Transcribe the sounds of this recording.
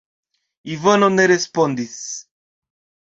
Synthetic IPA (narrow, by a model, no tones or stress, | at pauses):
ivənonɛɾɛspɔnd̪is